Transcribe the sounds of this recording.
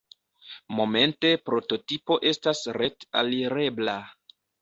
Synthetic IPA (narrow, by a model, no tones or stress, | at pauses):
mo̞me̞nte̞pɾo̞to̞tipo̞ʔe̞stasɾe̞ta̰liɾe̞bla